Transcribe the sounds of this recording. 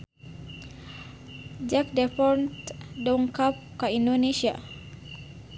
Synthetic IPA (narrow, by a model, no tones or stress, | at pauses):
d͡ʒak̚dɛfɔrnt̪dɔŋkap̚kaindonesia̰